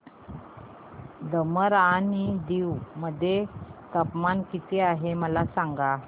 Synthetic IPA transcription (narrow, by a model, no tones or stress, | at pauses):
d̪əməɾanid̪iwməd̪ʱːjet̪əpmankit̪eaɦeməlasaŋɡa